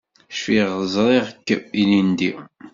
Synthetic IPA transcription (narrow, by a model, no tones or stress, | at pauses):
ʃfiʁzˤɾˤeʁkːilind̪i